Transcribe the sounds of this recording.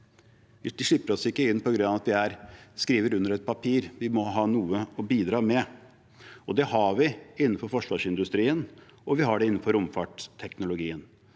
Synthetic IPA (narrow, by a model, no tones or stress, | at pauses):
ʋɪd̪ɪʂɪpːəɾɔsɪkːəɪnːpɔɡɾʉnɑʋɑt̪ʋɪæɾskɾiːʋəɾʉnːəɾɛt̪̚pʰɑpʰiːɾʋɪmɔɦɑːnuːəɔbiːd̪ɾɑːmɛ | ɔd̪ɛhɑɾʋɪɪnːəfɔɾfɔʂʋɑːʂɪnd̪ʉst̪ɾiːən | ɔʋɪɦɑɖɛɪnːn̩fɔɾʊmfɑːʈt̪ʰːɛknʊlʊɡiːən